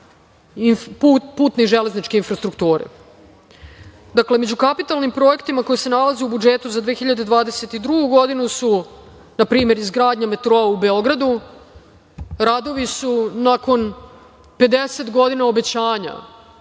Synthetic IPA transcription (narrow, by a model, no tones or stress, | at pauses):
ipupuːt̪neiʒele̞znit͡ʃke̞infɾast̪ɾukt̪uːɾḛ | d̪akle̞med͡ʑukapit̪alˠnimpɾo̞e̞kt̪imako̞jese̞nalazeubud͡ʒeːt̪uzad̪ʋeːxiʎad̪e̞d̪ʋaːd̪eset̪id̪ɾuɡuɡo̞d̪inusu | napɾiːme̞ɾizɡɾaːd̪ɲame̞t̪ɾoːaube̞o̞ɡɾad̪u | ɾad̪o̞ʋisunako̞n | pe̞d̪eset̪ɡo̞d̪inao̞be̞t͡ɕaːɲa̰